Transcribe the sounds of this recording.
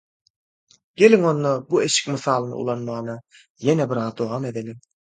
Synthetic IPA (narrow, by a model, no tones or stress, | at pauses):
ɡ̥ʲe̞liŋo̞nːobue̞ʃi̥kmɯθɑːlˠɯnɯ̰ṵlˠɑnmɑɯnɑ | jenebiɾɑːd̪oʁɑme̞d̪elim